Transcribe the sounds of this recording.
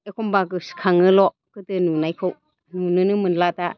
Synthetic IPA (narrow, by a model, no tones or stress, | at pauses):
ekʰɔmbakɯskʰaŋɯlɔ | kɯtɯnunajkʰɯw | nunɯnɯmɯnlata